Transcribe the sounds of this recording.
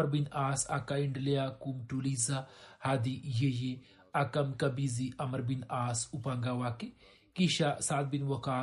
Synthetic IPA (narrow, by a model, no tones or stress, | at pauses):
ɐɾbinaːsa̰kaiɳɖlejaːkumʈulizahad̪ijeje | ɐkɐmkɐbiziʔɐmɐɾbinaːsupaŋɡaːwake | kiʃasaːt̪̚binwɐkaː